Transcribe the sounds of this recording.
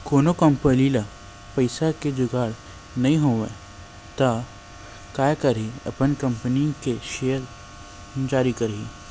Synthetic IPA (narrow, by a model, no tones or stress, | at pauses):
koːnokɐ̃mpəlila | pɐɪsaked͡ʒʊɡaːɽ | nɐɦĩɦoːʋḛ | t̪a | kaːjkɐɾɦiɐpənkɐ̃mpəniõkeʃejəɾ | d͡ʒaːɾikɐɾɦiː